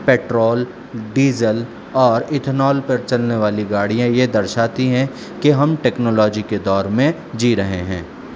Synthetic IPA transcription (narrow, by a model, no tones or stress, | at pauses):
peːʈɾoːl | ɖiːzəl | ɔːɾɪt̪ʰnɔːlpɐɾt͡ʃɐlneʋaːliɡaːɽijãjed̪ɐɾʃaːt̪iɦɛ̃ | keɦɐmʈeːknɔːlɔːd͡ʒiked̪ɔːɾmẽ | d͡ʒiːɾɐɦeɦɛ̰̃ː